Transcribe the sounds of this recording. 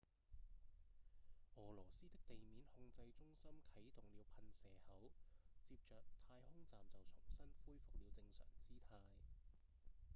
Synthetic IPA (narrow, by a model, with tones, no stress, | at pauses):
ɔː˨˩lɔː˨˩siː˥t̪ɪ˥k̚t̪e˨jmiː˨˥nhʊ˧ŋt͡sɐ˧jt͡sʊ˥ŋsɐ˥mkʰɐ˨˥jt̪ʊ˨ŋliː˨˧wpʰɐ˧nsɛː˨˩hɐ˨˥wt͡siː˧p̚t͡ʃœː˨k̚t̪ʰaː˧jhʊ˥ŋt͡saː˨mt͡sɐ˨wt͡ʃʰʊ˨˩ŋsɐ˥nfuː˥jfʊ˨k̚liː˨˧wt͡sɪ˧ŋsœ̰ː˨˩ŋt͡siː˥t̪ʰaː˧j